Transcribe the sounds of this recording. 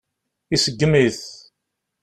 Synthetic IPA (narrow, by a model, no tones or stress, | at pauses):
isəɡːmiθ